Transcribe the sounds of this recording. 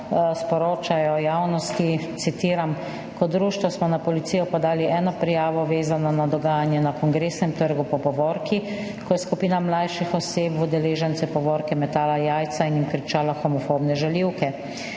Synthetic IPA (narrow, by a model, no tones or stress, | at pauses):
spɔɾoːt͡ʃajɔjawnɔst̪it̪sit̪iːɾam | kɔd̪ɾuːʃt̪ʋɔsmɔnapɔlit̪siːjɔpɔd̪aːliʔɛːnɔpɾɛjaːʋɔʋeːzanɔnad̪ɔɡaːjanjɛnakɔŋɡɾeːsnɛmt̪əɾɡupɔpɔʋɔɾki | kɔjɛskupiːnamlajʃixɔseːpud̪ɛleːʒɛnt̪sɛpɔʋɔːɾkɛmɛt̪aːlajaːjt̪sainjimkɾit͡ʃaːlaxɔmɔfobnɛʒaliwkɛ